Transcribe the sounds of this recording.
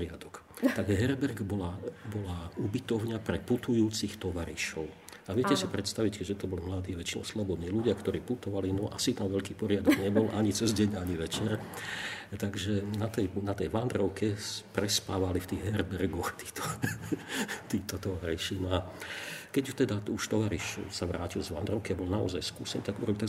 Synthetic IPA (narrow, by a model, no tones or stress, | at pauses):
ɪad̪ɔk | t̪aɡɦɛɾbɛɾɡbɔlabɔlaubit̪ɔʊɲapɾɛput̪ujuːt͡sixt̪ɔʋaɾḭʃɔʊ | aʋɪɛcɛsipɾɛt̪st̪aʋickɛʒɛt̪ɔbɔlimlad̪iːʋɛt͡ʃinɔ̰slɔbɔd̪niːluɟɪakt̪ɔɾiːput̪ɔʋalinɔʔa̰sit̪amʋɛʎkiːpɔɾɪad̪ɔɡɲɛbɔlʔaɲit͡sɛzɟɛɲaɲiʋɛt͡ʃɛɾ | t̪aɡʒɛnat̪ɛjnat̪ɛjʋand̪ɾɔʊkɛspɾɛspaːʋalift̪iːɣɦɛɾbɛrɡɔxt̪i̥ːt̪ɔ̥ | t̪iːt̪ɔt̪ɔʋaɾiʃinɔakɛɟt̪ɛd̪auʃt̪ɔʋaɾiʃsaʋɾa̰ːcilzʋa̰nd̪ɾɔʊkiabɔlnaɔ̰zajskṵːsɛn̰ːt̪aɡuɾɔbit̪a